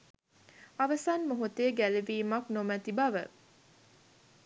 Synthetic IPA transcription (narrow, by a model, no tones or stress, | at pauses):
ɐʋəsaːnmoɦut̪eːɡæleʋiːmɐknomæt̪ibɐʋə